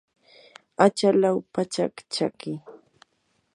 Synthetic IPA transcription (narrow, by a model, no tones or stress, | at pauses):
at͡ʃalawpat͡ʃakt͡ʃakɪ